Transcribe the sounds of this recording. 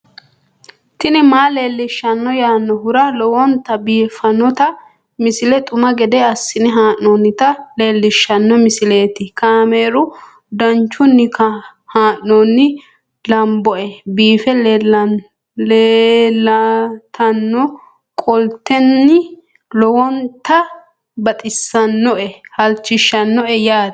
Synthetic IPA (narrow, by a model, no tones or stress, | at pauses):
t̪ɪnɪmaːle̞ːlːɪʃːɐnːɔjaːnːɔɦʊɾɐlɔwɔnt̪ɐbiːfɐnɔt̪ɐ | mɪsɪlɛt̪ʼʊmɐɡɛd̪ɛɐsːɪnɪɦaːʔːɔnːɪt̪ɐle̞ːlːɪʃːɐnːɔmɪsɪle̞ːt̪ɪkaːmeːɾʊ | d̪ɐnt͡ʃːʊnːɪkʰɐhaːʔnɔnːɪ | lɐmbɔʔɛbiːfɛll | leːlːɐt̪ʰɐnːɔ | kʼɔlt̪ːɛnːɪ | lɔwɔnt̪ɐ | bɐt̪ʼɪsːɐnːɔʔɛhɐlt͡ʃːɪʃːɐnːɔʔɛjaːd̪